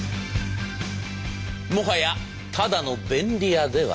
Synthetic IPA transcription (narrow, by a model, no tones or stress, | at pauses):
moɦaja | t̪ʰad̪anobẽnd̪iad̪eʋa̰